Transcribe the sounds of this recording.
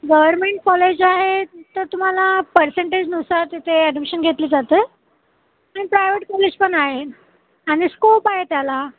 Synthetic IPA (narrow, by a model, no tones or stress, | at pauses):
ɡəʋəɾmeɳʈ̚kɔled͡ʑaɦet̪əɾt̪um̤alapəɾseɳʈed͡ʑnusaɾt̪it̪ʰeəɖəmɕənɡʱet̪liːd͡zat̪əː | aɽ̃ipɾajʋeʈ̚kɔled͡ʑpəɳaɦe | aɽ̃iskopaɦet̪jala